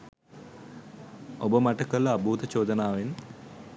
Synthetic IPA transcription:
obɐmɐʈːɐkːɐlːɐːbʱuːt̪ɐt͡ɕoːd̪ɐnaːʋen

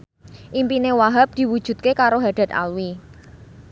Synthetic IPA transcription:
ʔimpinewaɦap̚d̪̥i̤wud̥ʒ̥ṳt̪̚kekaɾoɦaɖ̥a̤t̪a̰lwi

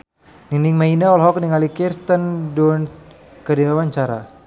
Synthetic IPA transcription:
niniŋmainaɔlɦɔk̚niŋalikirst̪əndun | kədiwawaɲt͡ʃaɾa

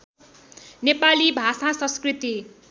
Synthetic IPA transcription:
nepalibʱasasʌ̃nskrit̪i

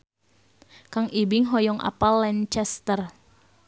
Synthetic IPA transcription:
kaŋibiŋɦɔjɔŋʔa̰palːɛnt͡ʃɛst̪ər

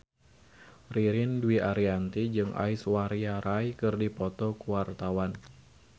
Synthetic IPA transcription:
riɾɪnduwiʔaɾiant̪id͡ʒɨŋʔa̰iswaɾiaɾʔajkɨrdipɔt̪ɔkuwart̪awan

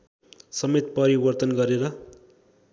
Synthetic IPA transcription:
sʌmet̪̚pʌɾibʌrt̪ʌnɡʌɾeɾʌ

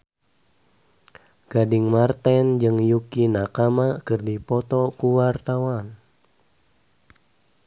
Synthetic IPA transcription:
ɡ̥adiŋmart̪ɛnd͡ʒɨŋjukinakamakɨrdipɔt̪ɔkuwart̪awan

